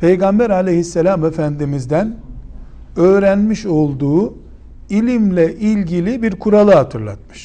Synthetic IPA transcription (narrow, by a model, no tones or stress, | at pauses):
pʰe̞jɡambæɾalʲejhisːelʲamefænd̪imizd̪æn | ø̞ːɾænmiʃo̞lˠd̪uː | ilʲimlʲɛʔilʲɟilʲibiɾkʰuɾalˠɯɦat̪ʰɯɾlˠa̰t̪̚mɯ̥ʃ